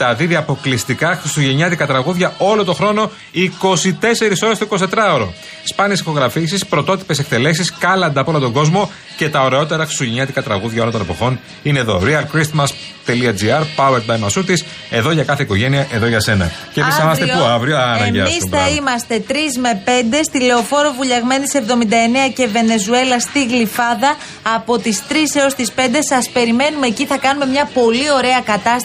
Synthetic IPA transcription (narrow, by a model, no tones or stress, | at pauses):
t̪ɐðiðiɐpo̞klist̪ikɐxɾist̪uʝe̞ɲɐt̪ikɐt̪ɾɐɣuðʝɐo̞lont̪o̞xɾo̞no̞ | iko̞sit̪e̞se̞ɾiso̞ɾest̪oiko̞s̬it̪et̪ɾɐoɾo̞ | spɐniesixo̞ɣɾɐfisispɾo̞t̪o̞t̪i̥pe̞se̞k̚t̪e̞le̞s̬iskɐlɐnd̪ɐpolot̪o̞ɡo̞zmo̞ | ce̞t̪ɐo̞ɾe̞o̞t̪e̞ɾɐxɾist̪uʝeɲɐt̪ikɐt̪ɾɐɣuðʝɐo̞lot̪nɐpo̞xo̞n | ine̞ːðo̞̰ɾiɐlkɾist̪mɐs | t̪e̞liɐd͡ziɐɾpɐueɾd̪bɐjmɐsut̪is | e̞ðo̞ʝɐkɐθeiko̞ʝe̞niɐʔe̞ðoʝɐse̞nɐ̰ceisɐmɐst̪epuɐvɾioɐnɐɟɐisɐimɐst̪e̞t̪ɾizme̞pe̞nd̪e̞st̪ile̞o̞fo̞ɾovuʎɐɣme̞nit̪ise̞vðo̞mind̪ɐe̞neɐce̞ve̞ne̞zue̞lɐst̪iɣlifɐðɐː | po̞t̪ist̪ɾise̞o̞st̪ispe̞nd̪e̞sɐspe̞ɾime̞nume̞ːciθɐkɐnume̞mɲɐpo̞lio̞ɾe̞ɐkɐt̪ɐs